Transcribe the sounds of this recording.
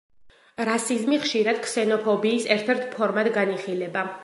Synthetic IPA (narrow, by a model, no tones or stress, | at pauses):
ɾasizmiχʃiɾad̪̥̚ksɛnɔpʰɔbiːsɛɾt̪ʰɛɾt̪ʰpʰɔɾmad̪ɡaniχilɛba